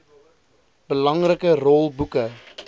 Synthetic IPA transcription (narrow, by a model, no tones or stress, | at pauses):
b̥əlɐŋrəkərɔlˠbukə